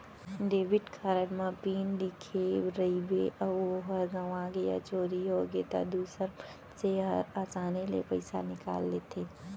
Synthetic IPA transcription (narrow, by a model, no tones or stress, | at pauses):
ɖeːʋɪʈkʰaːɾəɽmãpiːnɖ̪ɪkʰeɾɐibeʔɔoɦəɾɡɐʋãɡɐja̰t͡ʃoːɾiɦoɡet̪a̰d̪uːsəɾ | seɦə̰ɾaːt͡ʃaːnelḛpɐɪsa̰nɪka̰ːlːeːt̪ʰeː